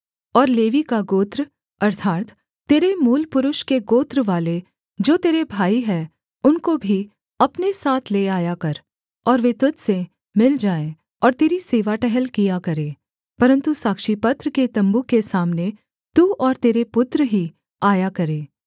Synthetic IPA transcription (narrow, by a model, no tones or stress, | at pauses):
ɔːɾleːʋikaɡoːt̪ɾ | ɐɾt̪ʰaːt̪ː | eːɾemuːlpʊɾʊʃkeɡoːt̪ɾʋaːle | d͡ʒoːt̪eːɾebʱaːiɦɛː | ʊnkobʱi | ɐpnesaːt̪ʰleːaːjakɐɾ | ɔːɾʋeːt̪ʊt̪se | mɪld͡ʒaːẽ | ɔːɾt̪eːɾiseːʋaʈɛɦɛlkijakɐɾẽː | pɐɾə̃nt̪usaːkʃipɐt̪ɾəket̪ɐ̃mbukːesaːmne | t̪uɔːɾt̪eːɾepʊt̪ɾəɦi | aːjakɐɾẽː